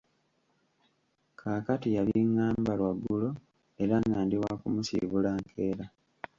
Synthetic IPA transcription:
kʰaːkatijaβiŋːaːmbalwaɡːulo̞ | e̞ɾanːaːndiwakumusḭβulaːŋkʰe̞ːɾa

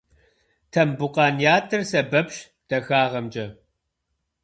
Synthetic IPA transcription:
tʰɐmbʊqɑːnjaːtʰɨrsɐbɐpʃ | d̥ɐxaːʁɐmd͡ʒɐ

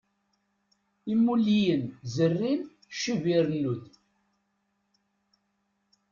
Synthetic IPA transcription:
imːulːijənzərːin | ʃuviɾənːuð

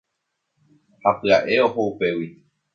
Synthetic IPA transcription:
hapɨaʔe̞oɦoupe̞wi

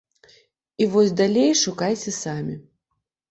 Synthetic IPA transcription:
ivɔsʲd̪alʲejʂukajt͡sʲɛsamʲi

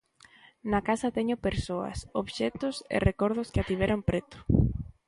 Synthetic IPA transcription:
nakasɐt̪eɲʊpeɾsoɐ̰soβʃet̪ʊsḛrekoɾðʊskɪat̪iβ̞eɾompɾet̪ʊ̥

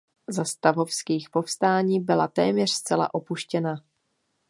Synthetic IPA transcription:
zast̪avo̞fskiːxpo̞fst̪aːɲiːbɪlat̪ɛːmɲɛr̥st͡sɛla̰ʔo̞puʃcɛna

